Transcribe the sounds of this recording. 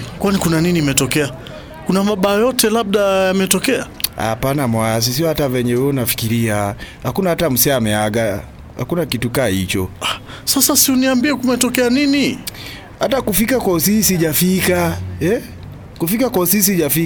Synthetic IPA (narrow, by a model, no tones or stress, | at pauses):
kwanikunaniniːmɛtɔkɛa | kunamaɓaːjɔtʰɛlab̚ɗajamɛtɔkɛa̰ha̰panamwas̬is̬iɔhatavɛɲɛwɛɔnafi̥kiɾiahakunahatam̩sɛaːmɛaɡa | ha̰kunakitukahḭt͡ʃɔa | sasasiuniambiɛkumɛtɔkɛanini | hatakufikakwausisiʄafikaɛ | kufikakwausis̬iʄafi